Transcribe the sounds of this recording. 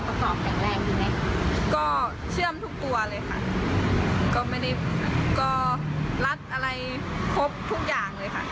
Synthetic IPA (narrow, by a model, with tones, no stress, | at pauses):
pa˧kɔː˨˩˦p̚t̪ɛː˨˩ŋ̚lɛː˧˩ŋ̚jiː˨˩ma˦˩kʰa˧kɔː˥˩ | t͡ɕʰɯ˥˩əmt̪ʰu˦˥k̚t̪u˧ɐlɤː˧jkʰa̰˥˩ʔ | kɔː˥˩ma˥˩jda˥˩jkɔː˧˥˩la˦˥t̪̚ʔa˧ɾa˧jkʰo˦˥p̚t̪ʰu˦˥˩k̚jaː˨˩ŋlɤː˧jkʰa˥˩ʔ